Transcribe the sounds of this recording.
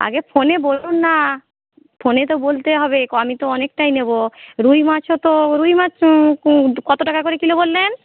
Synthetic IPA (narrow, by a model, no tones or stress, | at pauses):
a̰ɡefʰonebolunːa | fʰonet̪̬obolt̪eɦɔbekamit̪oɔnekʈajneboɾujmat͡ɕʰot̪oɾujmat͡ɕʰ | kɔt̪oʈakakoɾekilobolːen